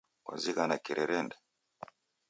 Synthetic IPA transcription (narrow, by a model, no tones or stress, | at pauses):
kwa̰zikanakɛɾʔɛɾɛndɛ